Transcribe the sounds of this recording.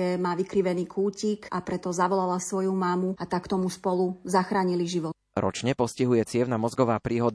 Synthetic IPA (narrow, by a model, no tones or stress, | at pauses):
ɛmaːʋikɾiʋɛniːkʰuːcikapɾɛt̪ɔzaʋɔlalasʋɔjumaːmuat̪akt̪ɔmuspɔluzaxɾaːɲiliʒiʋɔt̪ | ɾɔ̰t͡ʃɲɛpɔsciɦujɛt͡sɪɛʊnamɔzɡɔʋaːpɾiːɦɔd̪